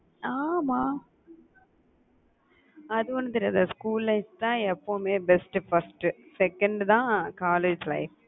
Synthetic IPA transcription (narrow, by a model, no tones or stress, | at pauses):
aːmaː | ɐðɯʋɔnːɯt̪̬ɐɾɐðɐskuːlːɐɪst̪ãːɛpːoːmeːbɛsʈfɐsʈɨsɛkɐɳɖt̪ãːkaːleːd͡ʒlɐ̰ɪf